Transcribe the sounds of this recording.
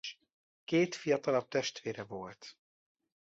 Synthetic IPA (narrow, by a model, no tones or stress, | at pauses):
keːt̪fijɒt̪ɒlɒp̚t̪ɛʃt̪ʋeːɾɛvolt̪